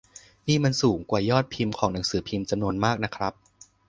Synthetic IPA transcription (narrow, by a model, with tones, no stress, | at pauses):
niː˥˩ma˧nsuː˩˦ŋkwaː˨˩jɔː˥˩t̪̚pʰi˧mkʰɔː˩˦ŋna˩˦ŋsɯː˩˦pʰi˧mt͡ɕa˧mnu˧ənmaː˥˩k̚na˦˥kʰɾa˦˥p̚